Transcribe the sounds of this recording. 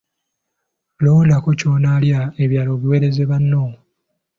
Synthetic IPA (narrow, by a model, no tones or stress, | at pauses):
loːndakoco̞ːnaːljaeβjaːlo̞ːβiwe̞ːɾe̞ze̞βanːo